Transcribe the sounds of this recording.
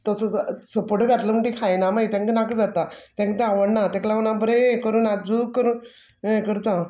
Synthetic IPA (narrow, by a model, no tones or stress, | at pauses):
t̪əsəsəpəʈəɡʱat̪ləməɳʈikʰajnamait̪ãŋkənakəd͡zat̪at̪ãŋkət̪eaʋəɽnat̪ãklaʋənabəɾekəɾuːnad͡zukːəɾuːn | kəɾt̪ã